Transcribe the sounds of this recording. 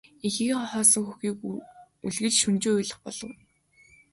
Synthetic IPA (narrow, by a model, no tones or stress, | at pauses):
ixiːχɔχɔːsɞ̆ŋxuxiːk | uɮɣɘ̆t͡ɕʃunt͡ɕuːujɮə̆χpɔɮ̥ɞ̆w